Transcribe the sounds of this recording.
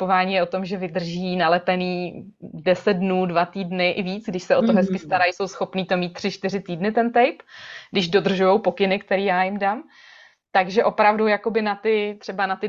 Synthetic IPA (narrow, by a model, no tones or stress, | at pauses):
povaːɲiːjɛo̞t̪o̞mʒɛvɪd̪r̩ʒiːnalɛpɛniː | dɛsɛd̪̚dnuːdvat̪iːdnɪʔɪviːt͡sɡdɪʃsɛʔo̞t̪oɦɛskɪst̪aɾajso̞wsxo̞pniːt̪o̞miːt̪̚tːr̥ɪt͡ʃt̪ɪrɪt̪iːdnɪt̪ɛnt̪ɛjpɡdɪʒdo̞d̪r̩ʒujowpo̞kɪnɪk̚t̪ɛɾiːjaːjɪmdam | t̪aɡʒɛʔo̞pɾavdujako̞bɪnat̪ɪt̪r̝̥ɛbanat̪ɪ